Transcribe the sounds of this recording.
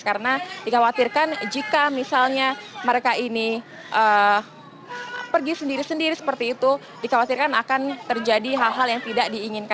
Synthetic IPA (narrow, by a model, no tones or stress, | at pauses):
kaɾənadikawat̪irkand͡ʒikamisalɲaməɾekaʔini | ʔə | pərɡisəndiɾisəndiɾisə̥pərt̪iːt̪u | dikawat̪irkanakant̪ərd͡ʒadiɦalɦaljaŋt̪idaʔdiːŋɪnka